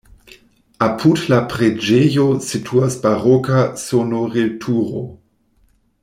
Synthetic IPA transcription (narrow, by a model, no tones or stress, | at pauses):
apʰudlapʁed͡ʒejositʰuasbaʁɔkasonoʁiltʰuːʁo̰